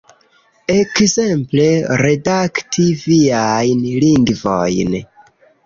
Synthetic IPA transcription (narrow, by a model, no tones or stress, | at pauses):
ekze̞mpleɾe̞daktʰiviajnliŋɡvo̰jn